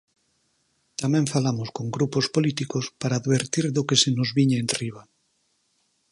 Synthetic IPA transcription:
t̪ameɱfalamosko̞ŋɡɾupospolit̪ikospaɾaːðβe̞ɾt̪iɾðokesenozβiɲeːnriβ̞a

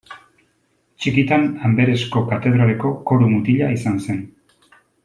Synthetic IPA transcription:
t͡ʃikit̪anambe̞ɾe̞sko̞kat̪e̞ð̞ɾale̞ko̞ko̞ɾumut̪iʎaisanse̞n

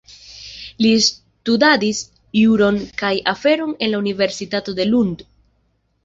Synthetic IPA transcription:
lis | tudadis | juɾo̞nkajʔafe̞ɾo̞ne̞nlaunive̞ɾsitato̞de̞lund

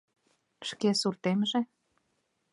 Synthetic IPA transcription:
ʃkesurt̪emʒĕ

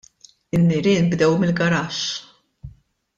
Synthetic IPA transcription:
ɪnːɪɾɪːnbd̪ɛwmɪlɡɐɾɐʃ

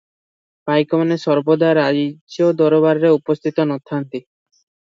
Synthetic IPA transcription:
pajkɔmanesɔɾbod̪aɾad͡ʒod̪ɔɾoβaɾɾeupɔst̪ʰit̪ɔnɔt̪ʰːant̪i

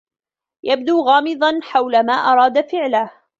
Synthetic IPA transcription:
jab̚d̪uːɣɑːmɨd̪ˤɑnħawlamaːʔɑɾˤɑːd̪afɪʕlah

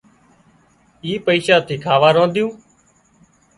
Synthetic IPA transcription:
iːpəiːʃaːt̪ʰiːkʰaːʋaːɾõːnd̪ɪjũː

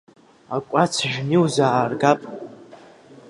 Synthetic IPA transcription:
akʷʼat͡sʰʒᶣnɨwzaːrɡapʼ

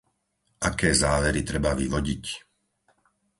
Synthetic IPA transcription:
ʔakɛːzaːʋɛɾit̪ɾɛbaʋiʋɔɟic

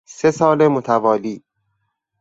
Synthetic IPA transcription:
se̞sɒːlemot̪ʰævɒːliː

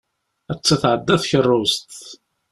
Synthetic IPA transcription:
æt͡sːaθʕəd̪ːæθçərˤːʊst̪

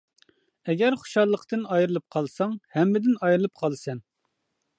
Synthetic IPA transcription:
ɛɡʲɛɾχʊ̥ʃɑlˠːəqt̪ɨnɑjɾɨlˠɨp̚qʰɑlˠsɑŋhɛmːɪd̪ɪnɑjɾɨlˠɨp̚qʰɑlˠsɛn

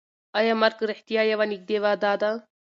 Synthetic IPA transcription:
ɐjamɐɾkɾeħt̪ijaːjɐʋanik̚d̪eʋaːd̪aːd̪a

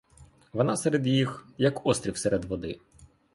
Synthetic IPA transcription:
ʋɔnɑseɾed̪jixjɐkɔst̪ɾʲiwseɾed̪ʋɔd̪ɪ

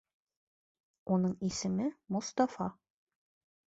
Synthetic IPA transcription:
unɤɴisɘ̆mɘmŏst̪ɑfɑ

